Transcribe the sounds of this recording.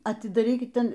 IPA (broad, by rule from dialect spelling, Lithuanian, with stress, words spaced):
ɐtʲɪdɐˈrʲiːkʲɪt ˈtʲɛn